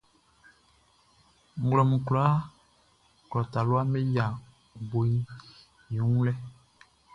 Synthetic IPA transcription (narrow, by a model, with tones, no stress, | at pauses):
ŋ̩˦ɡlɔ˨mũ˨ku˨la˨˦ | klɔ˨ta˨lu˦a˦me˦ja˨ | bo˨i˦ | jũ˨˦ũ˦lɛ˦